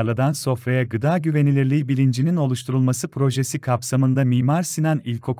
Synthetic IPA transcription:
lˠad̪anso̞fɾajaɡɯd̪aːɟyve̞nilʲiɾlʲiibilʲind͡ʒinino̞lˠuʃt̪ʰuɾulˠmasɯpʰɾo̞ʒesikʰapsamɯnd̪amiːmaɾsinanilʲkʰo̞k

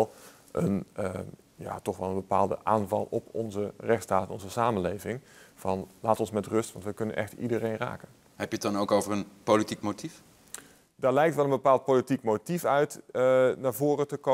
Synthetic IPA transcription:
lˠ | ʔənə | ja̰ːtɔxʋɛlˠənbəpa̰ːlˠdə̰ʔaːnvɑ̰lˠɔpʰɔnzərɛxtstaːtɛnɔnzəsaːmənlejvɪŋvɑnlaːtɔnsmɛtrɵstʋɑntʋəkɵnənʔɛ̰xtḭdərejnra̰ːkən | hɛpjət̚dɑnowkowvərənpolitikmotʰif | daːɹlɛjk̚tʋɛlˠənbəpaːlˠt̚politikmotifœɥtnaːɹvoːrətəko

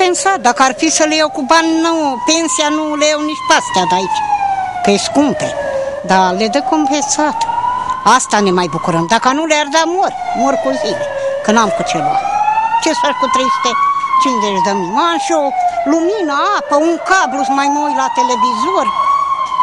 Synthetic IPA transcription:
pensat̪̚d̪akaɾfisəlejewkubanʲnəwpensijanuleewniʃpast̪ad̪ait͡ʃkəeskump̪ed̪aled̪əkompensat̪ast̪anemajbukuɾəmd̪akanuleaɾd̪amoɾʲmoɾkozilekənamkut͡ʃʰelua̰lt͡ʃesaʃkut̪ɾiʃt̪et͡ʃinzeʃd̪əmmanʃoluminaapauŋkabɾusmajmojlat̪elevizooɾʲ

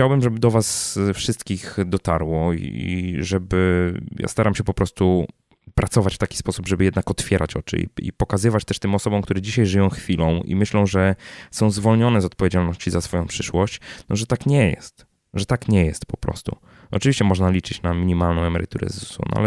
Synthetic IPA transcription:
t͡ɕawbɘmʐɛbɘd̪ɔvasfʂɘst̪kʲixd̪ɔt̪aɾwɔḭḭʐɛbɘja̰st̪aɾamɕɛpɔpɾɔst̪u | pɾʔat̪sɔvat͡ɕft̪akʲi̥spɔsubʐɛbɘjɛd̪nakɔt̪fʲjɛɾʔa̰t͡ɕɔ̰t͡ʂɘ̰ḭḭpɔkazɘvat͡ɕt̪ɛʂt̪ɘmɔsɔbɔ̃wkt̪uɾɛd͡ʑiɕajʐɘjɔ̃w̃xfʲilɔ̃w̃ḭmɘɕlɔ̃w̃ʐɛsɔ̃w̃zvɔlɲɔnɛzɔt̪̚pɔvʲed͡ʑalnɔɕt͡ɕizasfɔjɔ̃w̃pʂɘʂwɔɕt͡ɕnɔʐɛt̪akɲɛjɛ̰st̪ | ʐɛt̪akɲɛjɛst̪pɔpɾɔ̰st̪ṵ | ɔt͡ʂɨvʲiɕt͡ɕɛmɔʐnalʲit͡ʂɘt͡ɕnamʲiɲimalnɔ̃w̃ɛmɛɾɨ̰t̪uɾɛ̰zusṵnɔ̰a̰lɛ

